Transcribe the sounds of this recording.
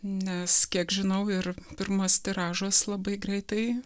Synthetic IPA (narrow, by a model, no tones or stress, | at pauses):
nʲɛskʲiɛkʒʲɪnɐʊɪrpʲɪɾmoːst̪ʲɪɾɑːʒoːslˠɐbɐɪɡɾʲɛɪt̪ɐɪ